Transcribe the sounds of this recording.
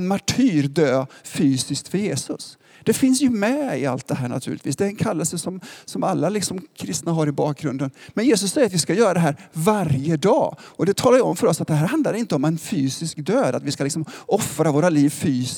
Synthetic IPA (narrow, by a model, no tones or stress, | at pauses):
nmaʈʰyːɾd̪øːfyːsɪsk̚t̪fœɾjeːsɵ̰s | d̪̥ɛfɪnsjɵmɛɪ̰a̰lt̪̚d̪ɛɦæːɳa̰t̪ʰʉ̰ːlɪt̪viːsd̪ɛæɾɛnkʰalːəlsəsɔmsɔmalːalɪksɔmkʰɾɪst̪naɦaɾɪbɑːk̚ɡɾɵnd̪ənmɛnjeːs̬ɵsːɛjːəɾat̪vɪskajœːɾad̪ɛɦæːɾvaɾjəd̪ɑ̰ːɔd̪ɛt̪ʰɑːlaɾjəɔmfœɾɔsːat̪̚d̪ɛhɦæːɾhɦand̪laɾɪnt̪əɔmɛnfyːsɪskd̪øːd̪at̪vɪskalɪksɔmɔfɾavoːɾaliːvfyː